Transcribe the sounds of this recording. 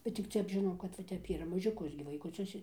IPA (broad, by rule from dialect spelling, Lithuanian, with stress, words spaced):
bʲɛt tʲɪk ˈtʲɛp ʒʲɪˈnɐʊ kɐt ʋɐ ˈtʲɛp ˈiːrɐ mɐʒʲʊˈkʊs ɡʲɪ ʋɐɪkʊˈt͡sʲʊs